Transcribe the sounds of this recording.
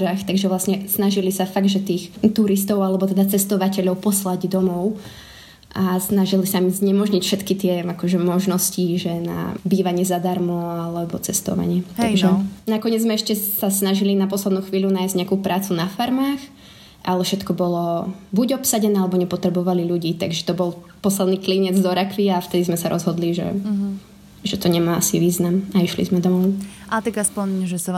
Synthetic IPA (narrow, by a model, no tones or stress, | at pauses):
axt̪aɡʒɛʋlasɲɛsnaʒilisafaɡ̪ʒɛt̪iːxt̪uɾist̪ɔʊalɛbɔt̪ɛd̪at͡sɛst̪ɔʋacɛʎɔʊpɔslaɟd̪ɔmɔʊ | ʔasnaʒilisamizɲɛmɔʒɲicfʃɛt̪kit̪ɪɛakɔʒɛmɔʒnɔsciʒɛna̰biːʋaɲɪɛzad̪aɾmɔalɛbɔt͡sɛst̪ɔ̰ʋa̰ɲɪɛt̪aɡʒɛnakɔɲɪɛd͡zzmɛɛʃcɛsasnaʒilinapɔslɛd̪nuːxʋiːʎunaːjzɟɲeakuːpɾaːt͡sunafaɾmaːx | ʔalɛfʃɛt̪kɔbɔlɔbuɟɔpsaɟɛnɛːalɛbɔɲɛpɔt̪ɾɛbɔʋaliʎuɟiːt̪a̰ɡʒɛt̪ɔbɔlˠ | pɔslɛd̪niːkliɲɛd͡zd̪ɔɾakʋiaft̪ɛd̪izmɛsaɾɔzɦɔd̪liʒɛ̰ | ʒɛt̪ɔɲɛmaːasiʋiːznamaiʃlḭzmɛd̪ɔmɔʊat̪aɡaspɔɲʒɛsa